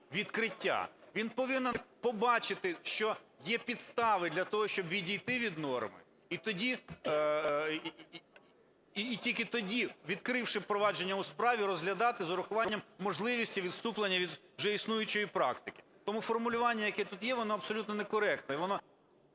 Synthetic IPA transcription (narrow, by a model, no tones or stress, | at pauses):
ʋʲid̪kɾɪtʲːa̰ʋʲinpɔʋɪnɛpɔbɑt͡ʃɪt̪ɪʃt͡ʃɔjɛpʲid̪st̪ɑʋɪd̪ʲlʲɐt̪ɔɦɔʃt͡ʃɔbʋʲidʲijt̪ɪʋʲid̪nɔrmɪ̰ | it̪ɔdʲi | tʲilʲkɪt̪ɔdʲiʋʲid̪kɾɪwʃɪpɾɔʋɑd͡ʒenʲːɐuspɾɑʋʲiɾɔzɦlʲɐd̪ɑt̪ɪzɔɾʊxʊʋɑnʲːɐmːɔʒlˠɪʋʲisʲtʲiʋʲid̪st̪uplˠenʲːɐʋʲid̪wʒɛisnujʊt͡ʃɔjipɾɑ̰kt̪ɪkɪ̥ | t̪ɔmufɔrmʊlʲʊʋɑnʲːɐjɐkɛt̪ut̪jɛʋɔnɔɐpsɔlʲut̪nɔnɛkɔɾɛk̚t̪nɐiʋɔnɔ